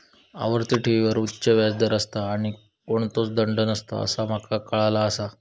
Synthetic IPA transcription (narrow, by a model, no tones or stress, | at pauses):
a̰ʋəɾt̪iʈʰeʋiʋəɾutːɕəʋjad͡zd̪əɾəst̪aːɽ̃i | koɳ̃t̪ot͡sd̪əɳɖənəst̪a̰ə̰sam̤akakəɭalaəsa